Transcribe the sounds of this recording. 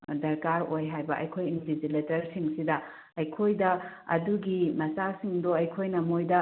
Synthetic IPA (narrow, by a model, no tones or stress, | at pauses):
dɐɾkaɾojɦajbɐʔɐ̰jkʰojindid͡ʒiletɐɾsiŋsidɐ | ɐjkʰojdɐɐ̰duɡimɐsasiŋdoɐjkʰojnɐmojdɐ